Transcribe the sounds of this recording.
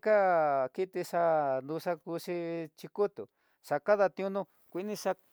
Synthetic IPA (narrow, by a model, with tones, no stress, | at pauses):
ka˦ki˦t̪i˧ʂa˧nd̪u˧ʂa˧ku˧ʂi˧t͡ʃi˧ku˦t̪ṵ˨ | ʂa˧ka˦ða˧t̪ĩ˧ũ˧nũ˦˧ | kʷi˧˦nĩ˧ʂa˧